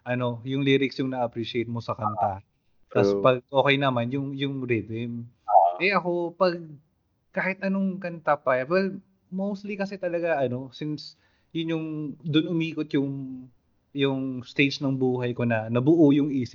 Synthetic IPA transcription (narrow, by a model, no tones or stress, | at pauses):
ʔɐno̞jʊŋliɾɪksjʊŋnɐʔɐpɾiʃɪejt̪̚mosɐkɐnt̪a | t̪ɐspɐɡ̚ʔo̞ːkɛjnɐmanjʊŋjʊŋɾɪd̪ɪm | ʔɛʔɐko̞pɐɡ̚ | kaːhɪt̪̚ʔɐno̞ŋkɐnt̪apɐjwɛl | mowst̪likɐsɛt̪ɐlɐɡaʔɐno̞sɪns | jʊnjʊŋd̪onʔʊmiːkot̪jʊŋ | jʊŋst̪ejt͡ʃnɐŋbuːɦɐjko̞nɐnɐbʊʔujʊŋʔiːsɪp̚